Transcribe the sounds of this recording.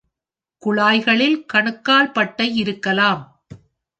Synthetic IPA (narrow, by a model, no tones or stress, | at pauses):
kʊɭaːjɣɐɭɪlkɐɳɯkːaːɭpɐʈːɐɪɪɾɯkːɐlaːm